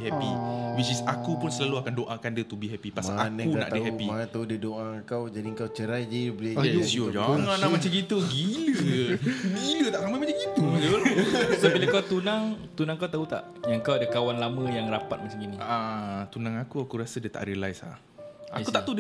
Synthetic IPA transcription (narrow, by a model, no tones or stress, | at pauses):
hɛpiwit͡ʃisakupʊnsəlaluakandoʔakandət̪ubiɦɛpipasaankuna̰ʔt̪aəɦɛpimat̪audədoʔaəŋkawd͡ʒadiəŋkawt͡ʃəɾajd͡ʒaibəlesiod͡ʒaŋlanamat͡ʃad͡ʒit̪əɡilə | ɡilət̪aʔsamamat͡ʃaŋd͡ʒit̪uolasobilakawt̪unãŋt̪unãŋkawt̪aut̪a̰ʔ | jaŋkawadəkawanlamãjaŋrapat̪̚mat͡ʃaminĩat̪unãŋakuakuɾasədət̪a̰ʔɾiəlajsla̰ | a̰kuaʔt̪ud